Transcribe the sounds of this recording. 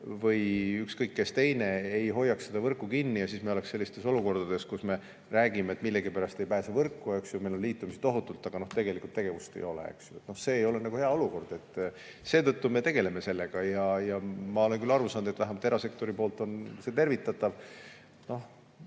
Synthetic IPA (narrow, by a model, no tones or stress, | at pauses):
vɤjykskɤjkːe̞st̪e̞jne̞ejɦo̞jːɑkssed̪̥ɑvɤrkːˑukinːijɑsiːsmejoleksse̞lːist̪e̞so̞luko̞rd̪̥ɑd̪̥e̞skusme̞ | ræːɡ̥imet̪milːeɡipæɾɑst̪e̞jpæːsevɤrkːˑue̞ksjumejlonliːt̪ːˑumiset̪o̞ɦut̪ːˑult̪ːˑɑɡ̥ɑno̞ht̪eɡ̥e̞likːˑult̪ːe̞ɡ̥e̞vust̪ejo̞lḛḛksjut̪ːnohse̞ːjo̞lenɑɡuheɑo̞luko̞rd̪̥e̞t̪ː | se̞ːt̪ɤt̪ːume̞t̪e̞ɡ̥e̞leme̞se̞lːeɡ̥ɑjɑjɑmɑo̞le̞nkylɑrusɑːnud̪et̪væɦemɑt̪ːeɑsek̚t̪o̞ɾipo̞ːlt̪ˑo̞nse̞t̪e̞rvit̪ːˑɑt̪ːɑv | no̞h